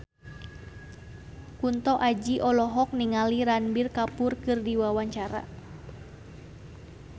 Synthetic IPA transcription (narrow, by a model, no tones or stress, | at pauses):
kunt̪ɔʔad͡ʒiʔɔlɔɦɔk̚niŋaliɾanbirkapurkɨrdiwawaɲt͡ʃaɾa̰